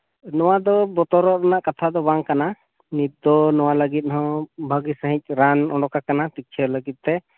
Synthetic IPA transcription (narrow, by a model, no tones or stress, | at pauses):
nɔwad̪ɔbɔt̪ɔɾɔɾanaʔkat̪ʰad̪ɔbaŋkana | nit̪̚d̪ɔnɔwaləɡit̪̚ɦɔ̃bʱəɡisəɦĩc̚ˀɾanɔ̰ɖɔkakanat̪ik̚t͡ʃʰələɡit̪̚ˀt̪ɛ